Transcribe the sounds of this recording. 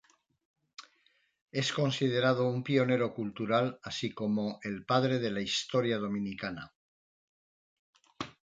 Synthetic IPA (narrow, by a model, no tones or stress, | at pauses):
e̞sko̞nsið̞e̞ɾað̞o̞umpio̞ne̞ɾo̞kult̪uɾalasiko̞mo̞ʔe̞lpaðɾe̞ð̞e̞laist̪o̞ɾjað̞o̞mĩnikana̰